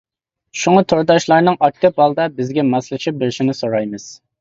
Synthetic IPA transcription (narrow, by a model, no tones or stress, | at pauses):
ʃuŋɑt̪ʰoɾd̪ɑʃlˠɑɾnɨŋʔɑk̚ʲt̪ɪp̚ɑlˠd̪ɑbɪzɡʲɛmɑslˠɨt͡ʃʰɪp̚bɪɾɪʃinɪsoɾɑjmɨz̥